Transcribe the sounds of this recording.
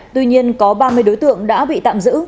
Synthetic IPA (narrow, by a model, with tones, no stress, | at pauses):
t̪wi˧ɲi˧ənkɔ˨˦ɓaː˧mɨ˧əjɗo˨˦jt̪ɨ̰˧˨əŋɗa̰ː˧˥ɓḭ˧˨t̪a̰ː˧˨mzɨ̰˧˥